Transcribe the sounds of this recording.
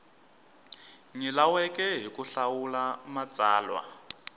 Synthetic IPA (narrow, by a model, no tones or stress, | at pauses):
ŋilawɛkʼɛɦikuɬawulamat͡sʼaːlwa̰